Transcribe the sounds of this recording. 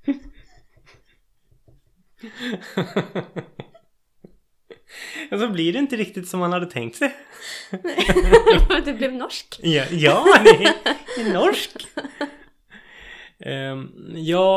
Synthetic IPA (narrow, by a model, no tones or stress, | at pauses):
ɑsɔblɪɖɛɪnt̪əɾɪkt̪ɪt̪sɔmhanhad̪ːət̪ʰɛ̰ŋkt̪sɛj | d̪ɛblɛvnɔʂkːjɑːɛɛnɔʂk | jɑː